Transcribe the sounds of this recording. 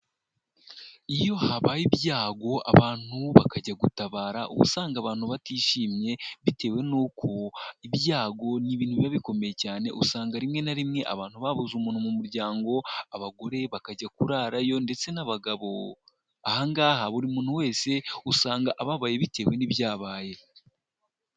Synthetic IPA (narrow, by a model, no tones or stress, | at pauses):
ijo̞haβajibjaːɡo̞a̰βaːn̥huβakaɟaɡutaβaːɾaʔṵβṵsaːŋɡaβaːn̥huβatiːʃiːmɲe̞βite̞ːwe̞nuːkʰoiβjaːɡo̞niβiːn̥huβiaβiko̞me̞je̞caːne̞̰ʔusaːŋɡaɾimŋe̞naɾimŋe̞ʔa̰βaːn̥huβaβuzumuːn̥humumuɾɟaːŋɡo̞aβaɡo̞ɾe̞βakaɟakuɾaɾajo̞nde̞t͡se̞naβaɡaβo̞ | ahaŋɡaːhaβuɾimuːn̥huwe̞ːse̞usaːŋɡaʔaβaβaːjeβite̞ːwe̞niβjaːβaːje̞